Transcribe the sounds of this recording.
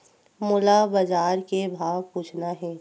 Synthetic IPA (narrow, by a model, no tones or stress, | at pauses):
mʊlabɐd͡ʒaːɾkebʱaːwpuːt͡ʃʰnaɦɛː